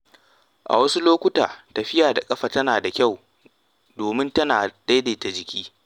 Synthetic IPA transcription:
ʔa̰˨wɐ˦su˦loː˦kʷʊ˦taː˨tɐ˨ɸɪ˦jaː˨da˨kʼɐ˦ɸa˨tɐ˦naː˨da˨kʲa˦˨w | doː˨mɪ˦ntɐ˦naː˨d̥a˦jda˨ta˨d͡ʒɪ˨kʲiː˦

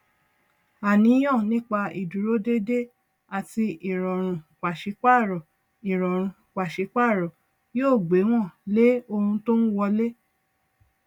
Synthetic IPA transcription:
a˨nĩ˨˦j̃ɔ̃˦˨nĩ˦k͡pa˧i˨du˨ɾo˦de˦de˦ | a˨ti˧ʔi˨ɾɔ˨ɾ̃ũ˨k͡pa˨ʃi˨˧˦k͡pa˦˨ɾɔ˨ | i˨ɾɔ˨ɾ̃ũ˨k͡pa˨ʃe˨˦k͡pa˦˨ɾɔ˨ | joː˦˨ɡ͡be˨˦w̃ɔ̃˦˨le˦o˧hũ˧to˦n̩˦wɔ˧le˦

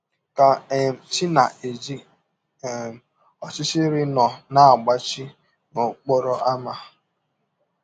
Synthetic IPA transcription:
ka˨e˨m̩˨t͡ʃi˦na˨ʔe˨d͡ʒi˦˨ | ɔ˨t͡ʃɪ˦t͡ʃɪ˦ɾɪ˦nɔ˨na˦˨a˨ɡ͡ba˦t͡ʃi˦ | no˨k͡po˦ɾɔ˦ʔa˦ma˦

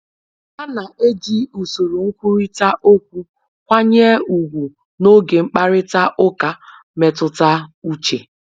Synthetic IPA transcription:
a˦na˨ʔe˦d͡ʒi˦u˨so˨ɾu˨ŋ̩˦kʷu˦ɾi˦ta˦ʔo˦k̚ʷu˦ | kʷa˦ɲe˦u˨ɡʷu˨ | no˦ɡe˨ŋ͡m̩˦k͡pa˦ɾɪ˦ta˦ʔʊ˦ka˨ | me˨tʊ˦ta˦u˦t͡ʃe˨

